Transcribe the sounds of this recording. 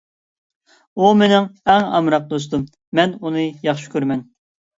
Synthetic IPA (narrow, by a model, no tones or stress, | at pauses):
umenɪŋɛŋɑ̰mɾɑq̚d̪os̬t̪um | mɛnunɨjɑχʃi̥kʲøɾmɛn